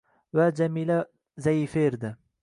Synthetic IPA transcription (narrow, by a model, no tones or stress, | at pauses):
vad͡ʒamiːla | zaifeɾd̪ɪ